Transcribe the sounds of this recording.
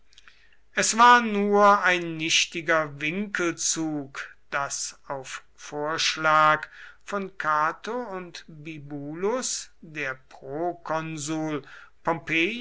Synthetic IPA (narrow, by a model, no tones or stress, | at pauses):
ʔɛsv̥aːɐnuːɐaɪnːɪʃtɪɡɐvɪŋkəlt͡suːkd̥asaʊf | foːɐʃlaːkfɔnkʰaːtoʊntbibuːlʊsdeːɐpʁ̥oːkʰɔnzuːlpɔmpeː